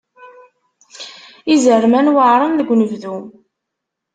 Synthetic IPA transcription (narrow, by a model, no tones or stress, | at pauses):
izərmænwəʕɾˤənðəɡʷːnəvðu